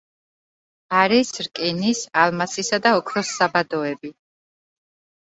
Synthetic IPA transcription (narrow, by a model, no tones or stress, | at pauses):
aɾisɾkʼinisalmasisad̪aɔkʰɾɔsːabad̪ɔɛbi